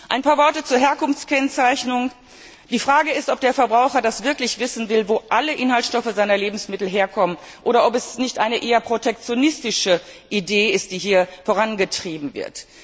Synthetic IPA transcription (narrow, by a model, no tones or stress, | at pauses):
ʔa̰ɪnpaːɐvɔɐtət͡suːɐɦɛɐkʊnft͡skɛnt͡saɪçnʊŋ | d̥iːfʁ̥aːɡəɪstɔp̚d̥eːɐfɛɐbʁaʊxɐdasv̥ɪɐklɪçv̥ɪsn̩vɪlvoːʔaləʔɪnhaltʃtɔfəzaɪnɐleːbm̩smɪtl̩ɦeːɐkʰɔmən | ʔoːɾɐʔɔpɛsnɪçtʔaɪnəʔeːɐpʁ̥otɛk̚t͡sjonɪstɪʃəʔideːɪst̚d̥iːɦiːɐfoʁanɡətʁ̥iːbm̩vɪ̰ɐt